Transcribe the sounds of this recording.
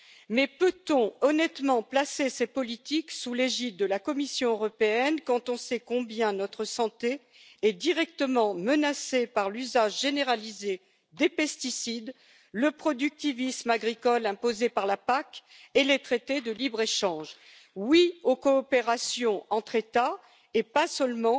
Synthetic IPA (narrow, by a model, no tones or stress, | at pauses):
mɛpøt̪ɔ̃ɔnɛt̪mɑ̃plasesepɔlit̪iksuleʒit̪̚d̪əlakɔmisjɔ̃øʁɔpeɛnkɑ̃t̪ɔ̃sɛkɔ̃bjɛ̃nɔt̪χəsɑ̃t̪e | ɛd̪iʁɛk̚t̪əmɑ̃mənasepaʁlyzaʒʒeneʁalize | d̪epɛst̪isid̪ | ləpχɔd̪yk̚t̪ivismaɡʁikɔlɛ̃pozepaʁlapak | elet̪χet̪ed̪əlibʁeʃɑ̃ʒ | wiokɔːpeʁasjɔ̃ɑ̃t̪χet̪a | epasœlmɑ̃